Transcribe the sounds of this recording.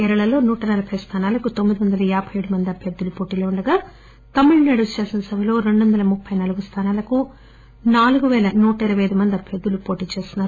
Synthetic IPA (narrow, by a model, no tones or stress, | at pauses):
ɛɾɐɭɐlo̞ːnuːʈɐnɐlɐpʰɐjst̪ʰaːnaːlɐkut̪omːid̪iʋɐnd̪ɐlɐaːbʰʱɐjeɽumɐnd̪iɐbʱjɐd̪ulupo̞ːʈiːloːɳɖɐɡaː | t̪ɐmːuɭnɐɽust͡ʃeːsɐnɐsɐbʱɐlo̞ːɾeɳɖuʋɐnd̪ɐlɐmupʰːɐjnaːluɡust̪ʰaːnaːlɐku | naːluɡuʋɛːlɐnuːʈɐiɾɐʋɐjɐjd̪umɐnd̪iɐbʱjɐd̪ulupoːʈiːt͡ʃe̞ːst̪inːaːɾ